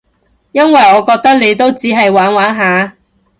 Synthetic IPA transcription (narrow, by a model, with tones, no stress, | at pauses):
jɐ˥nwɐ˨jɔː˨˧kɔː˧k̚t̪ɐ˥k̚le˨˧jt̪o˥wt͡siː˨˥ɦɐ˨jwaː˨˥nwaː˨˥nɦaː˨˧